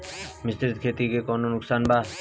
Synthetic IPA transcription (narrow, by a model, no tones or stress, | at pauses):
mɪst̪ɪɾt̪kʰeːt̪ikekɔːnonʊksaːnbaː